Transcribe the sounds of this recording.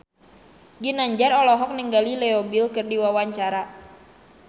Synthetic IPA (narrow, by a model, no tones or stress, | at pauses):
ɡinaɲd͡ʒarɔlɔɦɔk̚niŋɡalilɛɔbilkɨrdiwawaɲt͡ʃaɾa